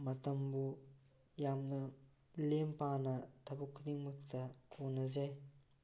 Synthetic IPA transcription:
mɐtɐmbu | jamnɐ | lempanɐtʰɐbukʰːudiŋmɐk̚tʰɐkʰonɐzaj

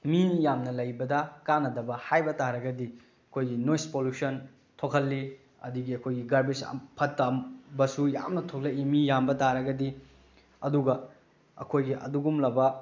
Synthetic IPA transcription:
minijamnɐlɐjbɐdɐkanɐdɐbɐhajbɐtaɾɐɡɐdi | ɐkʰojɡinojspolusɐn | tʰokʰɐlːi | ɐ̰duɡiɐkʰojɡiɡɐɾbisɐ̰pʰɐtːɐmbɐsuja̰mnɐtʰok̚lɐimijambɐtaɾɐɡɐdi | ɐduɡɐ | ɐ̰kʰojɡiʔɐ̰duɡumlɐbɐ

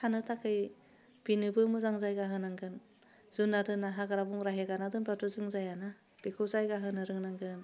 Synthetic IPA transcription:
hʰanɯtʰakʰɯj | b̥inɯbɯmɯzaŋzajɡaɦɯnaŋɡɯn | z̥unːadɯnːaɦaɡaɾabuŋɾaɦeɡanadɯnbatuzɯŋzajana | b̥ikʰɯwzajɡaɦɯnɯɾɯŋnaŋɡɯn

